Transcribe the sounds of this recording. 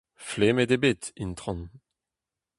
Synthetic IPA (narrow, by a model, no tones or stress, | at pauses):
fleːmed̪ebet̪int̪ʁɑ̃n